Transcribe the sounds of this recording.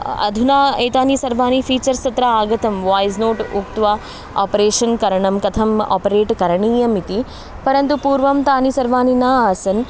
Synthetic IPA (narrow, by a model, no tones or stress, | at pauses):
ɐ̰d̪ʱunaːeːt̪aːnisɐɾʋaːnifʰiːt͡ʃɐɾsɐt̪ɾɐaːɡɐt̪ɐmʋaːjznoːʈukt̪ʋaː | a̰ːpɾeːʃɐnkɐɾɐɳɐmkɐt̪ʰɐma̰ːpɐɾeːʈkɐɾɐɳiːjɐmit̪i | pɐɾɐnt̪upuːɾʋɐmt̪aːnisɐɾʋaːninaːaːsɐn